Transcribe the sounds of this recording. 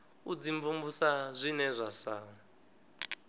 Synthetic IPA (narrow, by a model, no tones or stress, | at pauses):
ud͡ziɱvumbusazʷinɛzʷasaːɔ